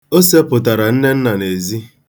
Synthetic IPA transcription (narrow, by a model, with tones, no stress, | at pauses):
o˦se˦pʊ˨ta˨ɾa˨n̩˦ne˦n̩˦na˨ne˨zi˦